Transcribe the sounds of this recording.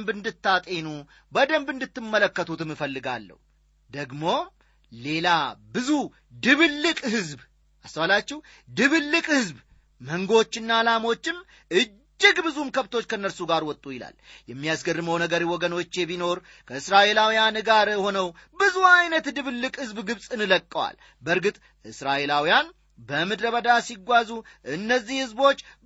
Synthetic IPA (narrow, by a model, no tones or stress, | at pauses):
mbɨnd̪ɨt̪ːat̪ʼe̞nu | bəd̪əmbɨnd̪ɨt̪ːɨmːələkːət̪ʰut̪ɨmːɨfəlːɨɡa̰lːə̰hu | d̪əɡmo̞ | le̞labɨzu | d̪ɨβɨlːɨkʼhɨzb | ʔast̪əwalat͡ʃːɛh | d̪ɨβɨlːɨkʼhɨzb | məŋɡo̞t͡ʃːɪnːaːlamo̞t͡ʃːɪm | ɨ | d͡ʒːɪɡbɨzumkʰəβt̪ʰo̞t͡ʃːkʰənːəɾsuɡaɾwɔt̪ʼːujɪla̰ljɛmːijasɡərːɨməwnəɡəɾiwɔɡəno̞t͡ʃːeβino̞ɾ | kʰəɨsɾaʔe̞lawijanɡaɾho̞nəwbɨzuajnət̪d̪ɨβɨlːɨkʼhɨzbɡɨβsʼɨnɨləkʼːəwa̰l | bəɾɡɨt̪ʼ | ʔɨsɾaʔe̞lawijan | bəmɨd̪ɾəβəd̪asiɡʷazuʔɨnːəzːihhɨzbo̞t͡ʃː